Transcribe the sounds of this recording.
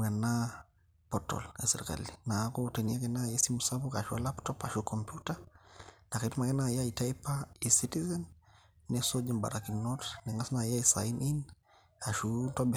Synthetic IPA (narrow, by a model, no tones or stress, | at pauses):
mana | pɔtɔ̰lasɛɾika̰linakɔtɛniakɛnajɛsimusapuka̰ʃualaptɔpaʃukʰɔmpjuta | nakɛtumakɛnajaitaipaisitizɛnː | ɛsɔd͡ʒimba̰ɾakinɔtnɛŋasnajaisa̰inʔin | aʃutɔbɛ